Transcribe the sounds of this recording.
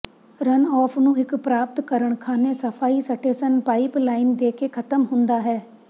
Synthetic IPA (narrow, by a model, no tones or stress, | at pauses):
ɾənɔːpʰnũːɪkpɾaːp̚t̪kəɾəɳkʰaːneːsəpʰaːiːsəʈʰeːsənpaːiːplaːind̪eːkeːkʰət̪əmɦʊnd̪aːɦɛː